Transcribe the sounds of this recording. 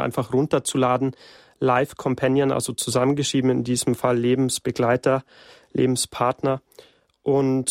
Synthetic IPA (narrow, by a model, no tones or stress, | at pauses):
ʔa̰ɪnfaχʁʊntɐt͡sulaːdn̩ | laɪfkʰɔmpʰanjənʔa̰lzot͡suzamənɡəʃiːbm̩ɪndiːzəm̩falːeːbm̩sb̥əɡlaɪtɐ | lʔḛːbm̩spʰaɐtnɐ | ʔʊnt